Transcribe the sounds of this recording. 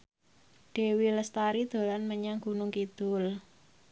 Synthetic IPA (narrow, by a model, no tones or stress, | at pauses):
ɖ̥e̤wiləst̪aɾid̪̥o̤lanməɲaŋɡ̥ṳnʊŋkid̪̥ʊl